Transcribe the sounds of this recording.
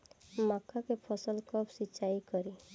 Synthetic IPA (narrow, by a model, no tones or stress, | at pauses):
makʰːakepʰəsəlkəbʰsɪt͡ʃaikəɾi